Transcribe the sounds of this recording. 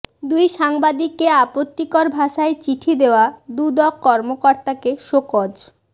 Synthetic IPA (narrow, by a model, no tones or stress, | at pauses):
d̪ujʃaŋbad̪ikːeapot̪ːikɔɾbʱaʃaet͡ɕiʈʰid̪eoad̪ud̪ɔkːɔɾmokɔɾt̪akeʃokod͡ʑ